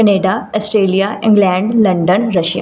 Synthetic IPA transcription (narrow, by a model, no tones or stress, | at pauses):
kɐneːɖaəsʈɾeːlijaɪ̃ŋɡlɛ̃ɳɖlɐɳɖənɾəʃja̰